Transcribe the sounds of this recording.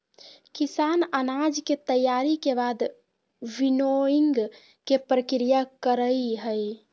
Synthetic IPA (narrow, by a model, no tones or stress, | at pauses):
kisanənad͡ʒket̪əjaɾikebad̪ | binoiŋɡ | kepɾəkɾijakəɾəɦəj